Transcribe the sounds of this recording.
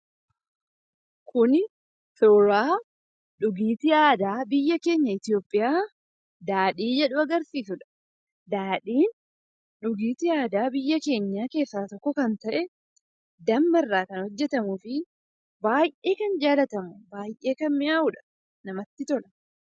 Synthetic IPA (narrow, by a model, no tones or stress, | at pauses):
kʰʊn | soːɾaː | ᶑʊɡiːt̪ɪaːd̪aːbɪjːɐke̞ːɲːɐɪt̪ɪjo̞ːpʼːɪjaː | d̪aːᶑiːd͡ʒɛᶑʊɐɡɐɾsiːsʊᶑɐ̥ | d̪aːᶑiːn | ᶑʊɡiːt̪ɪaːd̪aːbɪjːɐke̞ːɲːaːke̞ːsːaːt̪ɔkːɔkɐnt̪ɐʔɛ | d̪ɐmːɐrːaːkɐnhɔd͡ʒːɛt̪ɐmʊfɪ | baːjʔe̞ːkɐnd͡ʒaːlɐt̪ɐmʊbaːjʔe̞ːkɐnmɪʔaːʊᶑɐ̥ | nɐmɐt̪ːɪt̪ɔlɐ̥